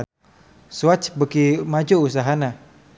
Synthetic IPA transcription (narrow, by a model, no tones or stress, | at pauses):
suat͡ʃbəkimad͡ʒuus̬aɦana